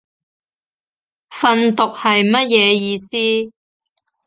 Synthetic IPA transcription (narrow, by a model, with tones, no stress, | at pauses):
fɐ˧nt̪ʊ˨k̚hɐ˨jmɐ˥t̚jɛː˨˧jiː˨˧siː˥